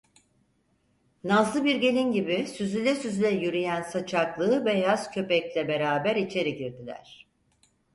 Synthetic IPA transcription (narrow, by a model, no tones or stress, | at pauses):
nazlˠɯbiɾɟe̞lʲinɟibisyzylʲɛsyzylʲɛjyɾyjænsat͡ʃʰaklˠɯːbɛjaz̥cʰø̞pɛclʲɛbe̞ɾaːbæɾit͡ʃʰe̞ɾiɟiɾd̪ilʲæ̰ɾ̥